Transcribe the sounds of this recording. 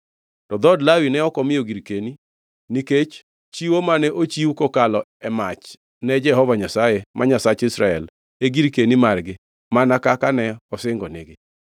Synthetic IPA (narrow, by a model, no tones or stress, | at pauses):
tɔd̪ɔdlawinɛɔkɔmɪoɡiɾkeni | niket͡ʃ | t͡ʃiwomanɛʔot͡ʃiukokalɔɛmat͡ʃ | nɛd͡ʒɛɦɔvaɲasajemʔaɲasat͡ʃɪsɾaɛl | eɡiɾkenimarɡɪ | manakakanɛɔsɪŋɡɔnɪ̰ɡɪ